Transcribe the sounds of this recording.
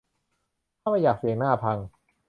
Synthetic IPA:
aː˥˩ma˥˩jaː˨˩k̚si˨˩˦naː˥˩pʰa˧ŋ

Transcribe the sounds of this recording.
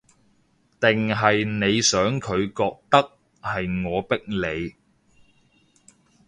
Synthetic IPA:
t̪ɪ˨ŋɦɐ˨jne˨˧jsœː˨˥ŋkʰɵ˨˧ɥkɔː˧k̚t̪ɐ˥k̚ | hɐ˨jŋɔː˨˧pɪ˥k̚le˨˧j

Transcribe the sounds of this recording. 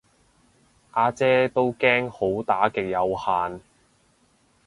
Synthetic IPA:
ʔaː˧t͡sɛː˥t̪o˥wkɛː˥ŋho˨˥wt̪aː˨˥kɪ˨k̚jɐ˨˧whaː˨n

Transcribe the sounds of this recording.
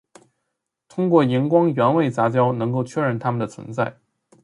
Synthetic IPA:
t̪ʰʊ˥ŋkwɔ˥˩ji˧˥nkwɑ˥ŋɥɛ˧˥nwe˥˩ɪt͡sa˧˥t͡ɕjɑ˥ʊnɤ˧˥ŋk̬o˥˩ʊt͡ɕʰɥɛ˥ɻə˥˩nt̪ʰa˥mə˨ndə˩t͡sʰwə̰˧˥nt͡sa˥˩ɪ

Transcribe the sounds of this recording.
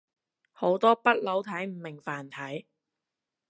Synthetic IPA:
ho˨˥wt̪ɔː˥pɐ˥t̚lo˨˥wt̪ʰɐ˨˥jm̩˨˩mɪ˨˩ŋfaː˨˩nt̪ʰɐ˨˥j

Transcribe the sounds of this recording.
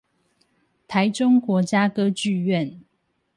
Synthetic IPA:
t̪ʰa˨˦ɪʈ͡ʂʊ˦ŋkwɔ˨˥t͡ɕja˦kɤ˦t͡ɕy˥˨ɥɛ˥˨n

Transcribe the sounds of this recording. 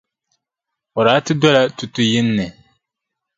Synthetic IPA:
ɔ˨ɾaː˨˦tɨ˦dɔ˦la˦tu˨tʊ˨jɪ˦nːɨ˨

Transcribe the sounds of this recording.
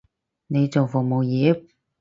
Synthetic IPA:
ne˨˧jt͡so˨wfʊ˨˩mo˨wjiː˨˧˥

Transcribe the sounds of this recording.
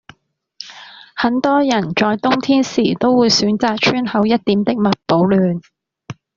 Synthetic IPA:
hɐ˨˥nt̪ɔː˥jɐ˨˩nt͡ʃɔː˧jt̪ʊ˥ŋt̪ʰiː˥nsiː˨˩t̪o˥wwuː˨˧jsyː˨˥nt͡saː˨k̚t͡ʃʰyː˥nhɐ˨˥wjɐ˥t̚t̪iː˨˥mt̪ɪ˥k̚mɐ˨t̚po˨˥wlyː˨n

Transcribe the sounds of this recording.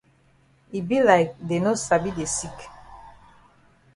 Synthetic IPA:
i˨bi˦laɪk̚de˨nosa˨bi˦de˨si˦k

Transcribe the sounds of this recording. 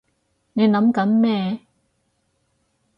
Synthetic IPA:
ne˨˧jnɐ˨˥mkɐ˨˥nmɛː˥˧

